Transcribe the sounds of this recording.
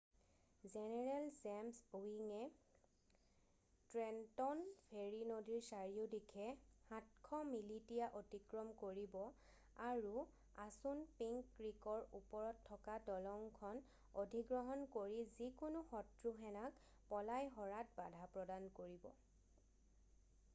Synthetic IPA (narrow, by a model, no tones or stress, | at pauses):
zɛnɛɹɛlzɛmsbuiŋɛ | tɹɛntɔnpʰeɹinodiɹsaɹiʊdikʰɛhãtkʰɔmilitijaʔotikɹɔmkoɹibɔ | aɹu | asunpiŋkːɹikɔɹupɔɹɔtʰːɔkadɔlɔŋkʰɔn | odʱiɡɹɔɦɔnkoɹizikʊnʊxɔtɹuɦɛnak | pɔlajɦɔɹat̚badʱapɹɔdankoɹibɔ̰